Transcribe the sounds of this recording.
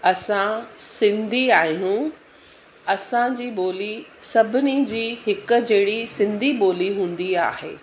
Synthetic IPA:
ɐsãsɪ̃nd̪ʱiaːɦijũ | ɐsãd͡ʑiːɓoːlisɐbʱɪnid͡ʑiːɦɪkʊ̆d͡ʑɐɪɽisɪ̃nd̪ʱiɓoːliɦũːn̆d̪ia̰ːɦḛː

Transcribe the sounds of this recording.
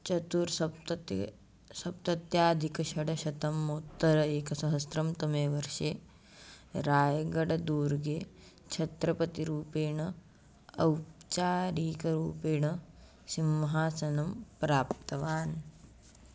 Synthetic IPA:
t͡ʃɐt̪uɾsɐ | sɐp̚t̪ɐt̪jaːd̪ʱikɐʃɐɽɐʃɐt̪ɐmːut̪ːɐɾɐeːkɐsɐɦɐsɾɐmt̪ɐmeːʋɐɾʃeː | ɾaːjɐɡɐɽɐd̪uːɾɡeː | t͡ʃʰɐt̪ɾɐpɐt̪iɾuːpeːɳɐ | ɐwt͡ʃaːɾiːkɐɾuːpeːɳɐ | simʋɐɦaːsɐnɐmpɾaːp̚t̪ɐʋaːn

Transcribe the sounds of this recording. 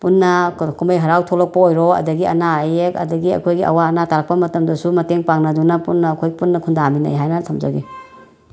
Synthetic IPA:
punːɐkʰumbɐjɦɐɾawtʰolɔk̚pɐojɾɔɐ̰dɐɡiɐ̰naɐjekɐ̰dɐɡiɐ̰kʰojɡiɐ̰waːnataɾak̚pɐmɐtɐmdɐsumɐteŋpaŋnɐdunɐpunːɐːkʰojɡipunːɐkʰundamina̰jɦajnɐsʰamd͡ʒaɡi

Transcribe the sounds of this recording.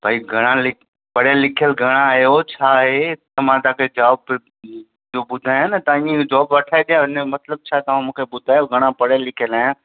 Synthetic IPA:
bʱaːiɡʱɐɽ̃ãlɪ | pɐɽjelɪkʰijəlɡʱɐɽ̃ãaːjot͡ɕʰaːɦet̪ɐmãt̪ãːkʰed͡ʑaːb | d͡ʑoːbʊd̪ʱaːjãnɐt̪aĩd͡ʑɔːbʋɐʈʰaːet̪ʰijãɦɪnemɐt̪ləb̚t͡ɕʰaːɦet̪ɐʋ̤ãmũːkʰeɓʊd̪ʱaːjoɡʱɐɽ̃ãpɐɽjelɪkʰijəlaːjãː

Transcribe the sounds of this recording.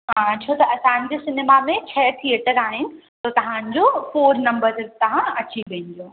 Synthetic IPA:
ɦat͡ɕʰoːt̪ɐʔɐsãːnɪ̆d͡ʑesɪneːmamẽt͡ɕʰɐt̪ʰieːʈəɾaːɦɪnɪ̆t̪ot̪ɐʋ̤ãːn̆d͡ʑoːfoːɾnɐ̃mbəɾzt̪ɐɦãɐt͡ɕiʋẽn̆d͡ʑoː

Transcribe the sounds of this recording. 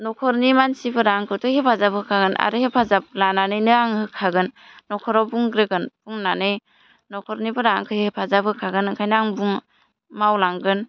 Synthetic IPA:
nɔkʰɔɾnimansibɯɾaŋkʰɯtɯhepʰazabhɯkʰaɡɯnʔa̰ɾɯhepʰazab̚lananɯjnɯaŋhɯkʰaɡɯnː | ɔkʰɔɾɔbuŋɡɾɯɡɯnbuŋnanɯj | nɔkʰɔɾnibɯɾaŋkʰɯhipʰazabɯkʰaɡɯnɯŋkʰajnaŋbuŋ | mawlaŋɡɯn

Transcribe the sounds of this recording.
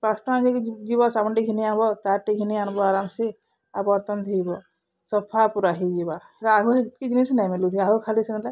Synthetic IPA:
pasʈãnd͡ʒid͡ʒibɔsabɔnʈiɡʱinianbɔt̪aɾʈiɡʱinianbɔaɾamse | a̰bɔɾt̪ɔnt̪ʰijbɔ | sɔpʰapuɾaɦid͡ʒiba | eɾaːɡʱuɦed͡ʒit̪̚kid͡ʒinisnajmelut̪ʰiaɦukʰalisinla

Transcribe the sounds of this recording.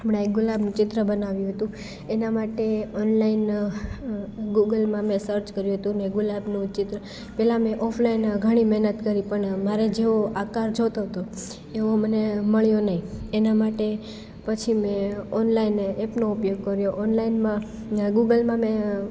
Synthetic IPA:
amɽãek̚ɡʊlabnũt͡ʃɪt̪ɾəbənaʋjũɦət̪ũ | enamaʈeɔnlain | ɡuɡəlmãmẽsəɾt͡ʃkəɾjũɦət̪ũneɡʊlabnũt͡ʃɪt̪ɾə | pɛlãmɛ̃ʔɔpʰlainɡʱəɽ̃imɛɦnət̪kəɾipəɳmaɾed͡ʒeoakaɾd͡ʒot̪oɦət̪o | eʋoməneməɭjonəɦĩenamaʈe | pət͡ʃʰimẽɔnlaineepnoupjoɡ̚kəɾjoʔɔnlainmã | ɡuɡəlmãmẽ

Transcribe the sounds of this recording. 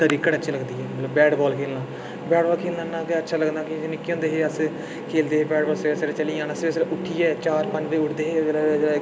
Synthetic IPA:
t̪əɾiːkəʈətːʃʰiːləɡd̪iːɛːmət̪ləbːɛːɖbɔːlkʰeːlnãː | bɛːɖbɔːlkʰeːlnãːnãːk̪ɪətːʃʰaːləɡd̪aːkɪnɪkːiːõnd̪eːɦeːəs | kʰeːld̪eːɦeːbɛːɖbɔːlsesəɾet͡ʃəliãːnəseːsɾʔʊʈʰːiːɛːt͡ʃaːɾpəɲd͡ʒbeːʊʈʰd̪eːɦeː

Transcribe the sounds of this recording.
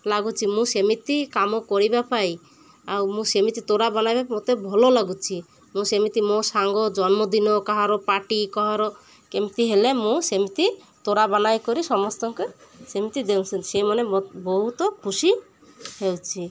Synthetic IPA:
laɡut͡ʃʰimũsemit̪ikamɔkɔɾibapaj | awmũsemit̪it̪oɾabanajbapmot̪ebʱɔlolaɡut͡ʃʰi | mũsemit̪imosaŋɡɔd͡ʒɔnmɔd̪inɔkɔɦaɾɔpaʈikɔɦaɾɔ | kemit̪iɦelemũsemit̪i | t̪oɾabanajkɔɾisɔmɔst̪ɔŋkesemit̪id̪ewsʰinsemɔnebɔɦut̪ɔkʰusi | hewt͡ʃʰi

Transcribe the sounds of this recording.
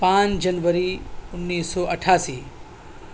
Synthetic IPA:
pãnd͡ʒɐnʋəɾiʊnːiːsːɔːəʈʰaːsiː

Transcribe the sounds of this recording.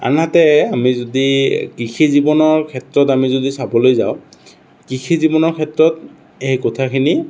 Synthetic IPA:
a̰nɦatɛamizodikikʰizibɔnɔɹkʰɛtɹɔtamizodisabɔlojza̰ʊ̃ | kixʰizibɔnɔɹkʰɛtɹɔt̚ | ejkɔtʰakʰini

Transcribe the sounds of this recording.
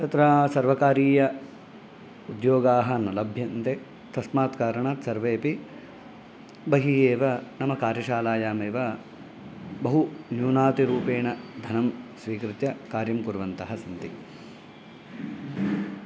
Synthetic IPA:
t̪ɐt̪ɾaːsɐɾʋɐkaːɾiːjɐ | ud̪joːɡaːɦɐ̆nɐlɐbʱjɐnt̪e | t̪ɐsmaːt̪kaːɾɐɳat̪sɐɾʋeːpi | bɐɦiːeːʋɐnɐmɐkaːɾjɐʃaːlaːjaːmeːʋɐ | bɐɦunjuːnaːt̪iɾuːpeːɳɐd̪ʱɐnɐmsʋiːkɾɪt̪jɐkaːɾjɐmkuɾʋɐnt̪ɐɦɐsint̪i

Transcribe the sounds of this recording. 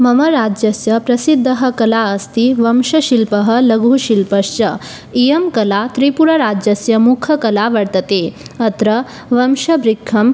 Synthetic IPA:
mɐmɐɾad͡ʒjɐsjɐpɾɐsid̪ʱːəɦɐ̆kɐlaɐst̪iʋɐmʃɐʃilpəɦəlɐɡʱuʃilpɐʂt͡ʃɐ | ijɐmkɐlat̪ɾipuɾɐɾad͡ʑjɐsjɐmukʰɐkɐlaʋɐɽt̪ɐt̪eɐt̪ɾɐ | ʋɐmʃɐbɾikʰːɐm

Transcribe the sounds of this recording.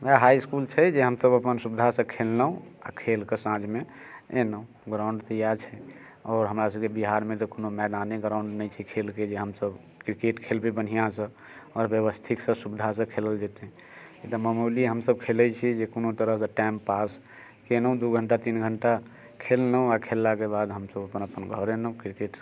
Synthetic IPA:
ʋɛɦaiskult͡ʃʰɛd͡ʒeɦəmsəbəpənsubd̪ʱasə̃kʰelnəũa̰kʰelkesãd͡ʒmeenəũ | ɡɾaũɳɖt̪əjaɾt͡ʃʰɛ | ɔːɾɦəmɾasəbkebiɦaɾmet̪ɔkonomɛd̪aneɡɾãʊ̃ɳɖnɛjt͡ʃʰikʰelked͡ʒeɦəmsəb | kɾikeʈkʰelbebən̤ijãsə̃ | ɔːɾbjəʋəst̪ʰiksə̃subid̪ʱasə̃kʰeləld͡ʒet̪eɦ | kit̪əməmuliɦəmsəb̚kʰelɛt͡ʃʰid͡ʒekonot̪əɾəɦsəʈɛmpas | kenəũd̪uɡʱəɳʈat̪inɡʱəɳʈa | kʰelnə̃akʰelːakebad̪ɦəmsəbəpənəpənɡʱəɾenəũkɾikeʈ

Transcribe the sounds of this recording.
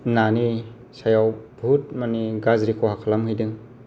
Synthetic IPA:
nani | sajawbʱut̚maniɡazɾikʰɔhakʰalamhɯjdɯŋ

